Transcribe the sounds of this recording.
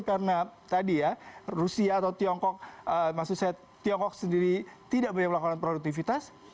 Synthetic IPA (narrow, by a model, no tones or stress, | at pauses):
kaɾənat̪adijarusiaːt̪awt̪iɔŋkɔk̚əmasuk̚saja | t̪iɔŋkɔk̚səndiɾit̪idaʔbaɲamlakananpɾoduk̚t̪ifit̪as